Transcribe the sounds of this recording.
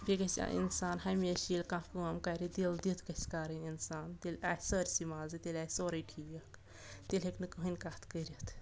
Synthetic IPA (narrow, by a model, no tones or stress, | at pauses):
bʲeɡɐsʲa̰ʔḭnsaːnhɐmʲeːʃilʲkãːkuɐmkaɾid̪ild̪it̪ʰkɐsʲkaːɾɨnʲinsaːnt̪ilʲaːhsəːɾʲsimaːzɨt̪elʲaːsoːɾɐʈʰiːʋɐk | t̪ilʲeknɨkɨɦɨnʲkaːt̪ʰkəɾʲit̪ʰ